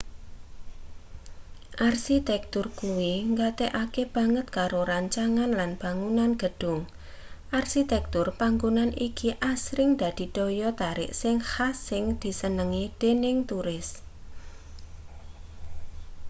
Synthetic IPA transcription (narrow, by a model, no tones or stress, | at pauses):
ʔarsit̪ɛk̚t̪ʊrkuwiŋɡat̪eʔakeb̥a̤ŋət̪̚kaɾoɾaɲt͡ʃaŋanlanb̥aŋunanɡ̥ə̤ɖ̥ʊŋ | ʔarsit̪ɛk̚t̪ʊrpaŋɡunanikiʔasɾɪŋd̪̥a̤d̪̥i̤d̪̥ojɔt̪aɾɪ̰ʔsɪŋhasɪŋd̪̥i̤sənəŋid̪̥enɪŋt̪uɾɪs